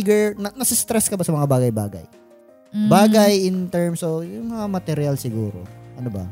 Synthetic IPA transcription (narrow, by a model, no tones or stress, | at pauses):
ɡɛɹnɐnɐsɪst̪ɾɛskɐbɐsɐmɐŋabaːɡɐjbaːɡɐ̰j | baːɡɐjɪnt̪ɛɹmsojʊŋmɐŋamɐt̪ɛɾjalsɪɡuːɾo̰ʔɐnobɐ̰